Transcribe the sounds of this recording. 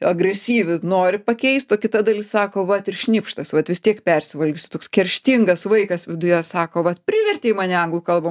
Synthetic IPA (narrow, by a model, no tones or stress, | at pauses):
ɐɡɾʲɛsʲiːʋʲɪnoːɾʲɪpɐkʲɛɪst̪oːkʲɪt̪ɐd̪ɐlʲɪssɑːkoːʋɐt̪ɪrʃʲnʲɪːpʃt̪ɐsʋɐt̪ʋʲɪst̪ʲiɛkpʲɛrʲsʲɪʋɐlʲɡʲʊsʲʊ̥t̪oːkskʲɛɾʲʃʲt̪ʲɪŋɡɐsʋɐɪkɐsʋʲɪd̪ʊjɛsɑːkoːʋɐt̪pʲrʲɪʋʲɛrʲtʲeːimɑːnʲɛɐŋɡlˠʊkɐlˠbɐm